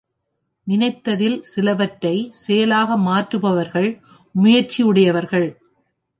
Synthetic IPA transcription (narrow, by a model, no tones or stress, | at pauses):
nɪnɐɪt̪ːɐðɪlsɪlɐʋɐʈːɐɪsɛjɐlaːɣɐmaːʈɾɯpɐʋɐɾɣɐɭ | mʊjɐɾt͡ʃiɯɽɐjɐʋɐɾɣɐɭ